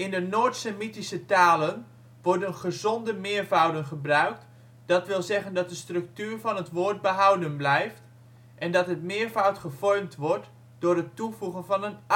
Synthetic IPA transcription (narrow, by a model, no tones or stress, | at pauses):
ɪndənoːtsəmitisətaːlən | ʋɔrdənχəzondəmɪərvawdənχəbrœɥk̚t | d̥ɔtʋɪlˠzɛɣəndɑt̚dəstrɵk̚tyːrɹvɔnɦətʋoːɹt̚bəɦawdənblɛjft | ʔɛndɔtɦətmɪəɹvawtχəfɔrmtʋɔɹt | d̥ʊːrətːufuɣənvɑnən